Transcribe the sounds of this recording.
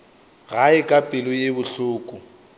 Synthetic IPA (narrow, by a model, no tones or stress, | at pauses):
ɣaɪkʼapʼɪlʊjebʊɬʊːkʼʊ